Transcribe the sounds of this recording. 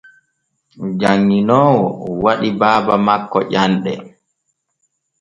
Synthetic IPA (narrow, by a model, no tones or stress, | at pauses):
d͡ʒaŋːinɔːwɔwaɗibaːbamakːɔ̰ʔanɗɛ